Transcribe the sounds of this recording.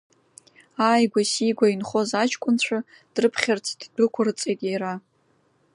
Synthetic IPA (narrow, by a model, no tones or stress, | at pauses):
aːjɡʷasiɡʷainχo̞zat͡ʃʰkʷʼʊnt͡ɕʷʰa | d̥rɨpʰχʲartʰiddɨkʷʰarɨt͡sʼejtʼiɾa